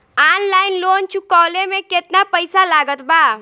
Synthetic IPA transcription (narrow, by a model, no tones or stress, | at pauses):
anlaːɪnlont͡ʃukɔːlemẽket̪napəɪsalaɡət̪ba